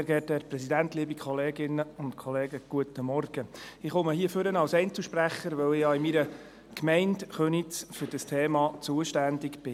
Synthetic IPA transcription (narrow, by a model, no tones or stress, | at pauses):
eɾɡɛːthɛːɾpɾɛsid̪æntliːbikʰχɔleːɡɪnəʊntkʰɔleːɡəɡ̥uət̪əmɔrɡ̥əɪχʊməɦiəføɾənɑwsɛɪnt͡səʃpræχːəɾʋœwɪjɑːɪmiɾə | kmɛɪndχønitt͡sfʏɾd̥əstʰeːmɑt͡suəʃtændɪkb̥ɪ